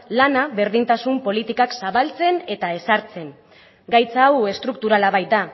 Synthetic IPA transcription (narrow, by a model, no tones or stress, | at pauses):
lanaβe̞ɾðint̪asumpo̞lit̪ikaksaβalt͡se̞ne̞t̪ae̞saɾt͡se̞ŋ | ɡajt͡saːwe̞st̪ɾuk̚t̪uɾalaβajt̪̚d̪a